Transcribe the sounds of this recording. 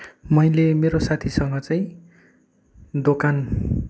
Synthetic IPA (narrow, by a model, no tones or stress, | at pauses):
mʌjlemeɾosat̪ʰisʌŋɡʌt͡saĩ | d̪okan